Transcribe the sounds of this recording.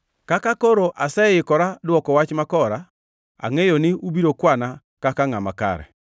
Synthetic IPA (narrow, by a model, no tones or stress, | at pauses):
kakakoɾoʔasɛjɪkɔɾadwɔkɔwat͡ʃmakɔɾa | a̰ŋejonɪubiɾokwana | kakaŋamaka̰ɾɛ̰